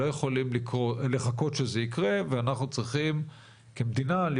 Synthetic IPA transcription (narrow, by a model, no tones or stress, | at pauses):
ojeχo̞limlikʁoleχako̞t̪ʃezeikʁe̞veanaχnut͡sʁiχim | ke̞md̪inal